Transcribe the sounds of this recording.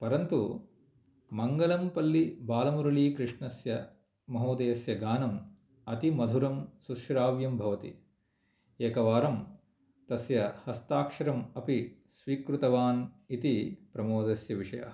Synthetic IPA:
pɐɾɐnt̪u | mɐŋɡɐlɐmpɐlːibaːlɐmuɾɐɭiːkɾɪʂɳɐsjɐ | mɐɦoːd̪eːsjɐɡaːnɐm | ɐt̪imɐd̪ʱuɾɐmsuʃɾaːʋjɐmbʱɐʋɐt̪ḭ | eːkɐʋaːɾɐm | t̪ɐsjɐhɐst̪aːkʂɐɾɐmɐpisʋiːkɾut̪ɐʋaːn | it̪ipɾɐmoːd̪ɐsjɐʋiʂɐjɐ̰

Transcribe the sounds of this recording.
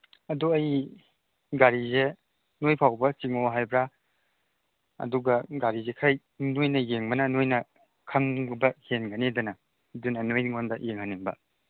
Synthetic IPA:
ɐduɐj | ɡaɾize | nojpʰawbɐt͡ʃiŋoɦajbɾa | ɐ̰duɡɐɡaɾizekʰɾaj | nojnɐjeŋmɐnɐnojnɐ | kʰɐŋbɐhenɡɐnidɐnɐ | dunɐnojŋonbɐjeŋhaniŋbɐ̰

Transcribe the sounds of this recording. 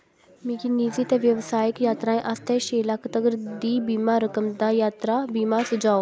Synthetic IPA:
mikɪniːziːt̪ɛːʋjəʋsaːjɪkjaːt̪ɾãːẽːʔast̪ʰɛːʃeːlakʰt̪əɡəɾd̪iːbiːmaːɾəkəmd̪aːjaːt̪ɾaːbiːmaːsəd͡ʒaːoː

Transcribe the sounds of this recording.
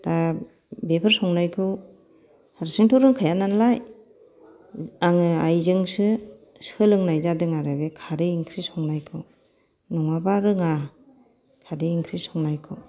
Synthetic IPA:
ta | bepʰɯɾsɔŋnajkʰɯw | haɾsiŋtʰɔɾɯŋkʰajananlaj | aŋɯajzɯŋsɯ | sɯlɯŋnajzadɯŋaɾabekʰaɾeiŋkʰɾisɔŋnajkʰɯw | nɔŋabaɾɯŋa | kʰadeiŋkʰɾisɔŋnajkʰɯw

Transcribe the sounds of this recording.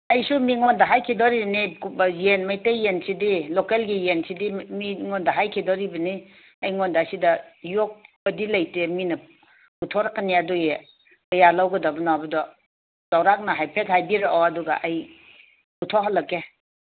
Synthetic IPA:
ɐjsumiŋondɐɦajkʰidɔɾibɐnibjenmajtejensidilokelɡijensidimiŋondɐɦajkʰidɔɾibɐni | ɐjŋondasidɐjok̚bɐdilajteminɐ | utʰɔɾɐkːɐniaduje | kɐjalawɡɐdɐbɐnɔabɐdɔ | d̥awɾak̚nɐɦajpʰet̚hajbiɾeʔɔɐduɡa̰ʔaj | utʰɔɦalɐkːe

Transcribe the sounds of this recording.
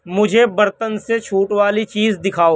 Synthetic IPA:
mʊd͡ʒʱebɐɾt̪ənset͡ʃʰuːʈwaːlit͡ʃiːzd̪ɪkʰaːoː

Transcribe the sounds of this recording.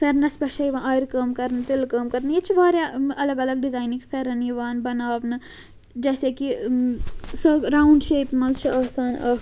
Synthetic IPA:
fʰeɾnɐspɐʃɐjiʋãʔaːiɾkɐːmkɐɾnɐt̪ɪlkɐːmkɐɾnɨjet͡ʃʰibaːɾjaɐlɐɡɐlɐɡɖɪzaːjnikfʰeɾɐniʋaːnbɐnaːʋnɨ | d͡ʒɛːseːki | sɐɾaːwɳɖʃeːpmɐzt͡ʃʰiɐːsaːnɐː

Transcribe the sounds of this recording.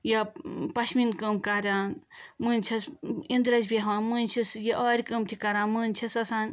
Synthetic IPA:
jɐpɐʃminkəmkɐɾʲaːnmɨnʲt͡ʃʰɐsind̪ɾɐd͡ʒbeɦʋãːnmɨnʲt͡ʃʰisjiʔɐːɾʲikəmt̪ʰikɐɾãːnmɨːnʲt͡ʃʰisɐsaːn

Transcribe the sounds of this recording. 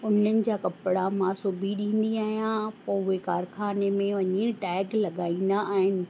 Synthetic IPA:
ʊnənɪ̆d͡ʑaːkɐpɪɽamãsʊbʱiɗĩːn̆d̪iaːɦijãpɐ̃ʊɦekaːɾxʰaːnemẽʋɐɲiʈɛːɡlɐɠaːĩːnd̪aʔːɦɪnɪ̆

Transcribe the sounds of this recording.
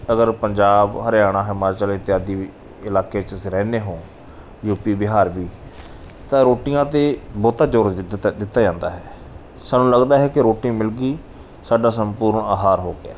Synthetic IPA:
əɡəɾpəɲd͡ʒaːbhəɾjaːɽ̃aːɦɛmaːɾt͡ʃəlɪt̪ɪjaːd̪iː | ɪlaːkeːt͡ʃəsɾɛːneːɦõː | juːpiːbɪɦaːɾbiː | t̪ãːɾoːʈɪjãːt̪eːbɔːt̪aːd͡ʒoːɾd̪ɪt̪ːaːd͡ʒãːnd̪a̰ːɦɛː | saːnːũːləɡd̪aːɦɛːkɪɾoːʈĩːmɪlɡiː | saːɖaːs̬əmpuːɾəɳaːɦaːɾɦoːɡɪa̰ː

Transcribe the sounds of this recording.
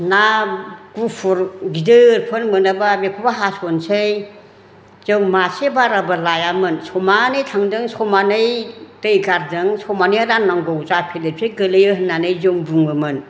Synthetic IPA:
naɡ̥upʰuɾɡidɯɾpʰɯnmɯnababekʰubaɦasɔnsɯj | z̥ɯŋmasebaɾabɯlajamɯnsɔmanɯjtʰaŋdɯŋsɔmanɯjtɯjɡaɾdɯŋsɔmanɯjaɾannːaŋɡowzapʰelepʰeɡɯlɯjɯhɯnːanɯjzɯŋbuŋɯmɯn

